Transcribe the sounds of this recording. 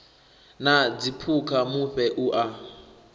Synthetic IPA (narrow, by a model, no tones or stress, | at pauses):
nad͡zipʰukʰamuɸɛʔuʔa